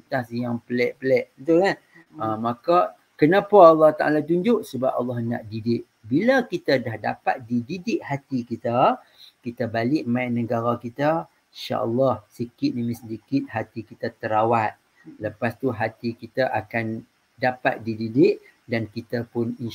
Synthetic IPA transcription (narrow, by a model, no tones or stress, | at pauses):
t̪asjaŋpəlɛʔpəlɛʔət̪ukan | əmaka | kənapaɑlːɑht̪aʔa̰lat̪uɲd͡ʒʊʔsəbap̚ɑ̰lːɑhna̰ʔdidɪʔ | biləkit̪adahdapat̪̚dididɪʔhat̪ikit̪a | kit̪abalɪʔ̚majnəɡaɾakit̪ə | inʃa̰ʔə̰lːɑhsəkɪt̪̚nimisədikɪt̪̚hat̪ikit̪at̪əɾawat̪̚ | ləpast̪uɦat̪ikit̪aʔakan | dapa̰t̪̚dididɪʔ̚ | dankit̪apʊnin